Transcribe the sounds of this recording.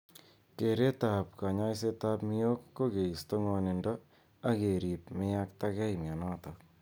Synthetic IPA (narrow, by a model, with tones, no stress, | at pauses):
ke˨ɾe˦ta˨p̚ka˨ɲa˦js̬e˦ta˦pmi˦jo˦kːo˦ke˨i˨sto˦ŋɔ˨nɪ˨ndɔ˦ | a˦ke˨ɾi˨p̚me˦a˦k̚ta˦kɛ˦jmja˨na˦ta˨